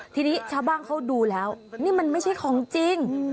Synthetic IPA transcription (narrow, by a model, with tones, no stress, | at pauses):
t̪ʰiː˧niː˦˥t͡ɕʰaː˧˩wbaː˧˥˩nkʰa˦˥wduː˧lɛː˦˥wniː˥˩ma˧nma˥˩jt͡ɕʰa˥˩jkʰɔː˩˦ŋt͡ɕi˧ŋ